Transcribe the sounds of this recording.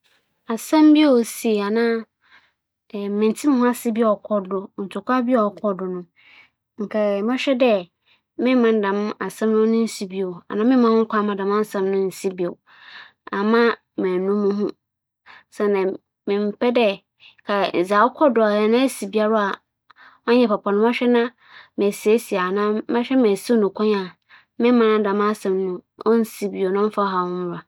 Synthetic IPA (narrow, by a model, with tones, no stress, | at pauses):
a˨sɛ̃˦m˦bi˦o˨si˨a˨nãː˦˨ | mɪ̃˨n˨tʰi˦m̃˦hʊ̃˦a˦si˦bi˦ɔ˨kʰɔ˦dʊ˨n̩˨tʰʊ˨kʷa˦bi˦ɔ˨kʰɔ˦dʊ˨nʊ̃˦ | ŋ̩˨kʰɛ˨mã˦ɕᶣɛ˦dɛ˦ | mɪ̃˦mã˨n˦dã˨m˦a˨sã˦mnʊ̃˦nʊ̃˦n̩˦si˨bi˦o˨a̰˨nã˦mɪ̃˦mã˦hʊ̃˦kʰʷa˦mã˨dã˨mã˦n˦sã˦mnʊ̃˦n̩˨si˦bi˨o˨ | a˨mã˦ | mɛ̃˨nũ˦mũ˦ɦũ˦ | sɛ̃˨nã˨ | mɪ̃˨m̩˨pʰɛ˦dɛ˦ | kʰa˨n̩˨za˨ɔ˦kʰɔ˦dʊ˨a˨ɛ˨nã˦ɛ˦si˨bi˦a˦ɾɔ˦a˨ | ã˦ɲɛ̃˨pʰa˨pʰɔ̃˨nʊ̃˦ma˦ɕᶣɛ˦nã˦ | mæ˨si˨e˦si˨a˨nã˦mã˦ɕᶣɛ˦mɛ̃˨si˦o˦nũ˨kʰɔ̃˦ɲa˨ | mɪ̃˦mã˦nã˦dã˨ma˦sɛ̃˨mnũ˦ɔ˦n̩˦si˦bi˨o˨nã˦fa˦ɔ˦ɦa˨hʊ̃˦mʊ˦˨ɾa˨